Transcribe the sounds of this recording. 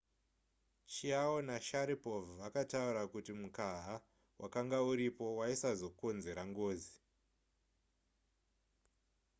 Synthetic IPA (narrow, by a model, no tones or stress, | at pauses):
t͡ʃiawonaʃaɾipo̞vuakatauɾakutimukaɦa | wʔakaŋɡauɾipo̞waisazo̞ko̞nze̞ɾaŋɡo̞ːzi